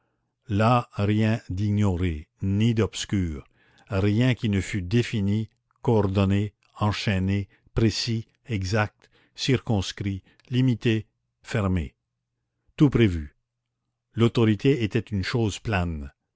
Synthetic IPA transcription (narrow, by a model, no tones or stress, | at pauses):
laʁjɛ̃d̪iɲɔʁenid̪ɔb̥skʲyːʁ | ʁjɛ̃kʲinəfyd̪efini | koɔʁd̪ɔne | ɑ̃ʃɛne | pʁesi | ɛɡzak̚t̪ | siʁkɔ̃skʁi | limit̪e | fɛʁmḛ | t̪upʁevy | lot̪ɔʁit̪eet̪ɛt̪ynʃoːzplɛn